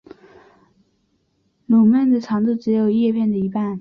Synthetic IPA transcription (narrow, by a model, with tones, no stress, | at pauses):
lu˨˩ma˥˩nd̪ə˨ʈ͡ʂʰɑ˧˥ŋt͡s̪u˥˩ʈ͡ʂɻ̩˧˥jo˨˩ʊjɛ˥˧pʰjɛ˥˩nd̪ə˩i˧˥pa˥˩n